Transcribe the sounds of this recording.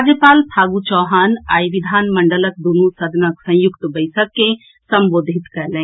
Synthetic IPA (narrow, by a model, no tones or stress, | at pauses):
d͡ʒjəpaːlt̪ʰaːɡut͡ʃɔːɦaːnaːiʋid̪ʱaːnmɐɳɖələk̚d̪unusɐd̪ʱnɐksɐ̃jʊkt̪bɐjsɐkːẽ | sɐ̃mboːd̪ʱit̪kɐɾlẽː